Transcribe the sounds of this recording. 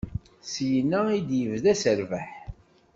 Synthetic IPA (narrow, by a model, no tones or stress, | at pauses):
sjənːæid̪jəvðæsəɾvæħ